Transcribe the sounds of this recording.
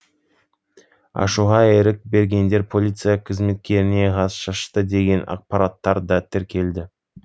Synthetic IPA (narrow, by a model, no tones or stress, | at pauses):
ɑ̰ʃuʁɑeɾɪk̚be̞ɾɡʲe̞nd̪e̞ɾpʰo̞lʲijt̪sɨjɑqʰəzme̞t̪̚kʲe̞ɾɪne̞ʁɑzʃɑʃt̪əd̪e̞ɡʲe̞nɑ̰q̚pɑɾat̪ːɑɾd̪ɑt̪ʰɪɾkʲʰe̞ld̪ɪ